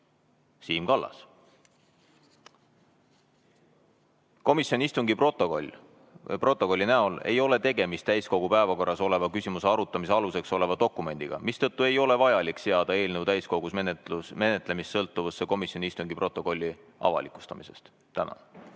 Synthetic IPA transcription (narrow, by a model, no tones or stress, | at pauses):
siːmkɑlːɑ̰s | ko̞misjonʲiist̪uŋɡiprot̪ool | pro̞t̪ːˑo̞ko̞lʲːinæo̞le̞̰jo̞le̞t̪e̞ɡe̞mist̪æjsko̞ɡ̥upæevɑko̞rːɑso̞le̞vɑkysimuse̞ɑɾut̪ːˑɑmis̬e̞ɑluse̞kso̞le̞vɑd̪o̞kːˑume̞nʲd̪̥iɡ̥ɑ̰mist̪ɤ̞t̪ːue̞jo̞le̞vɑjɑlikseɑd̪̥ɑe̞ːlnewt̪æjsko̞ɡ̥usmenume̞net̪ˑle̞missɤlt̪ːˑuvusːeko̞misjonʲiist̪uŋɡ̥ipro̞t̪ːˑo̞ko̞lʲːi | ʔɑ̰vɑ̰likˑu̥st̪ɑmise̞̰st̪ːænɑ̰n